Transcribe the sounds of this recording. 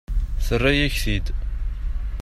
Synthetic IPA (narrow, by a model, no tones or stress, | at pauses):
θərːæjæçθid̪